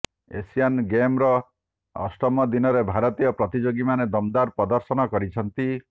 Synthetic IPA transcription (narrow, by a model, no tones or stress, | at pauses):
ḛsianɡemɾɔ | ɔ̰sʈɔmɔd̪inɔɾebʱaɾɔt̪ijɔpɾɔt̪id͡ʒoɡimaned̪ɔmd̪aɾpɾɔd̪ɔɾsɔnɔkɔɾit͡ʃʰɔnt̪i